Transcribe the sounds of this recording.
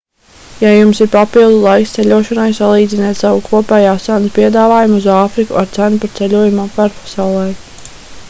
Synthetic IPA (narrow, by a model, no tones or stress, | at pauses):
jajumsiɾpapilˠd̪ulˠajkst̪sɛlʲuɔʃɔnajsalˠiːd̪zinɛːt̪ʲsawukʰuɔpɛːjaːsanspiɛd̪aːvaːjumuzaːfɾikṵaɾt̪sænupaɾt̪sɛlʲuɔjumampaɾpḁsawlˠɛj